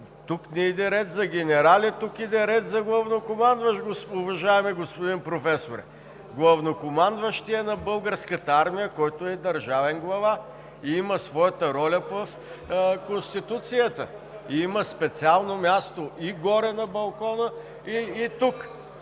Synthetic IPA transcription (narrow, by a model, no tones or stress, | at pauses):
t̪uknɛid̪ɛɾɛt̪zɐɡ̟ʲɛnɛɾalʲɛt̪ukid̪ɛɾɛt̪zɐɡlˠɐvnokomand̪vɐʃɡoʊvɐʒaɛmɛɡospod̪inpɾofɛsoɾɛ | ɡlˠɐvnokomand̪vɐʃt̪iɛnɐbɤlˠɡəɾskət̪əaɾmijəkɔjt̪oɛd̪ɐɾʒavɛnɡlˠɐva | iiməsvɔjət̪əɾɔlʲəvɐf | konst̪it̪ut̪sijət̪ə | iimɐspɛt̪sialˠnomʲjast̪oʔiɡɔɾɛnɐbɐlˠkɔnə | iːt̪uk